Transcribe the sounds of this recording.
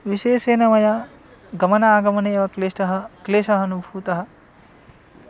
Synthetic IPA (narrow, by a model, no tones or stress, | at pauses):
ʋiʃeːʃeːnɐmɐjɐ | ɡɐmɐnɐaːɡɐmɐneːʋɐkleːʂʈɐɦɐkleːʃɐɦɐnubʱuːt̪ɐɦɐ̆